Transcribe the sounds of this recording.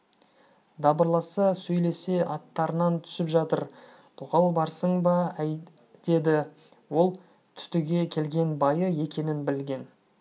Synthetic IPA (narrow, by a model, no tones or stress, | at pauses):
d̪ɑbəɾlˠɑsɑsɵjle̞se̞ʔɑt̪ːɑɾənɑnt̪ʰʏ̥sɪpʒɑt̪əɾ | t̪ʰʊʁɑlˠbɑɾsəɴbɑæjd̪̥e̞d̪ɪ | wo̞lˠ | t̪ʰʏ̥t̪ɪɡʲe̞kʲʰe̞lɡʲe̞nbɑjəje̞kʲʰe̞nɪnbɪlɡʲe̞n